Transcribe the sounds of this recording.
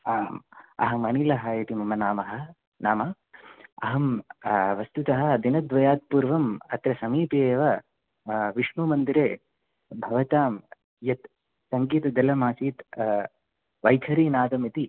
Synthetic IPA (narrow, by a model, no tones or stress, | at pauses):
amɐ̰ɦɐmɐnilɐɦɐit̪imɐmɐnaːmɐɦɐ̆ | naːmɐ | ɐ̰ɦɐmʋɐst̪ut̪ɐɦɐ̆d̪inɐd̪ʋɐjaːt̪̚puːɾʋɐmɐt̪ɾɐsɐmiːpeːʋɐ | ʋiʂmumɐnd̪iɾeː | bʱɐʋɐt̪aːm | jɐt̪ | sɐŋɡiːt̪ɐd̪ɐlɐmaːsiːt̪ | ʋɐjk̪ʰɐɾiːnaːd̪ɐmit̪i